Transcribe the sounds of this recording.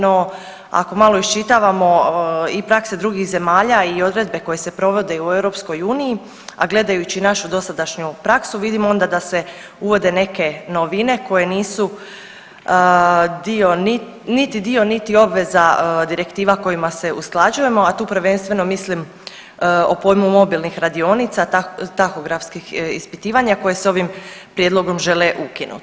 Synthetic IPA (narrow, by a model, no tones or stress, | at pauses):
no̞ | a̰ko̞malo̞iʃt͡ʃit̪aʋamo̞ipɾakse̞d̪ɾuɡixze̞maːʎaio̞d̪ɾe̞d̪̚be̞ko̞je̞se̞pɾo̞ʋo̞d̪e̞ue̞wɾo̞psko̞juːnii | a̰ɡle̞d̪ajut͡ɕinaʃud̪o̞sad̪aʃɲupɾaksuʋid̪imoo̞nd̪ad̪ase̞ | uʋo̞d̪e̞ne̞ke̞noʋine̞ko̞je̞niːsu | əd̪io̞ni | nit̪id̪io̞nit̪io̞bʋe̞zad̪iɾe̞kt̪iːʋako̞jimase̞ʔusklˠad͡ʒuje̞mo̞at̪uːpɾʋe̞nst̪ʋe̞no̞mislim | o̞po̞ːjmumo̞bilˠnixɾad̪io̞nit̪sat̪axoɡɾafskixḭspit̪iːʋaɲako̞je̞so̞ʋimpɾje̞d̪lˠo̞ɡo̞mʒe̞leʔukinṵt̪